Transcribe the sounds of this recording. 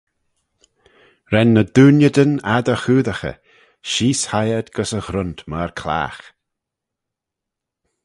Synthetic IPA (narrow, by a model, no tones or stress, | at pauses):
ɾɛnːəd̪uːnjəd̪ənad̪əxuːðəxə̰ | ʃiːshajəd̪ɡəsəɣɾʊnt̪məɹkʰla̰ːx